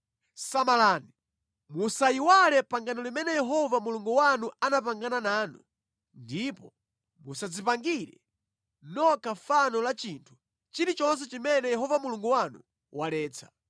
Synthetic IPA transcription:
samalaːni | musaiwalɛpaŋɡanɔlimɛnɛjɛɦɔvamuluŋɡuwanuʔanap̬aŋɡananaːnu | ndipɔ | musad͡zipaŋɡiɾɛ | nɔkafanɔlat͡ʃintʰu̥ | t͡ʃiɾit͡ʃɔns̬ɛt͡ʃimɛnɛjɛɦɔvamuluŋɡuwanṵ | walɛːt͡sʰḁ

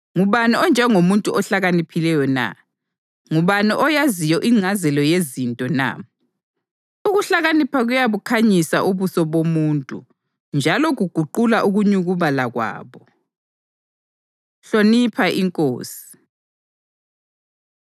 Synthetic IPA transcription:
ŋuβanɛɔnd͡ʒʱɛŋomuntʼuʔɔɬaɣanipʰilɛjɔna̰ | ŋuβaniʔɔjazijɔʔiŋ͡ǀʱazɛlɔjezintʼɔna̰ | uɣuɬaɣanipʰaɣujaβukʰaɲisaʔuβusɔβomuːntʼṵ | nd͡ʒʱalɔɣuɡ̥ʱuǃulaʔuɣuɲuɣuβalaɣwa̰ːβɔ | ɬonipʰaʔiŋkʼo̰ːsi̥

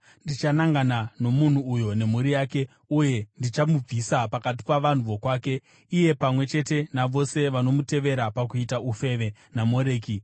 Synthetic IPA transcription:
ndit͡ʃanaŋɡanano̞mun̤uːjo̞ne̞muɾijaːke̞ | uje̞ndit͡ʃamub͡visapakat̬i̥paʋan̤uʋo̞kwaːke̞ | ije̞pamwe̞t͡ʃe̞te̞naʋo̞se̞ʋano̞mute̞ʋe̞ɾapakuitaufe̞ʋe̞ | namo̞ɾe̞ːki

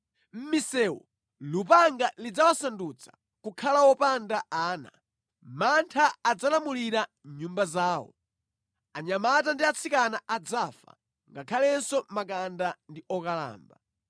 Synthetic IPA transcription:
m̩misɛːwɔ | lupaŋɡalid͡zawasandut͡sʰḁ̰ | kukʰalawɔpandaaːna̰ | mantʰaːd͡zalamuliɾa | ɲumbazaːwɔ̰ | aɲamat̬andiat͡sʰikanaʔad͡zafa̰ | ŋɡakʰalɛnsɔmak̬andandiɔkala̰ːmba

